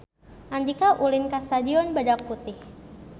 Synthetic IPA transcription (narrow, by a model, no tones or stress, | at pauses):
ʔand͡ʒikaʔulinkast̪adiɔnbadak̚put̪ɪh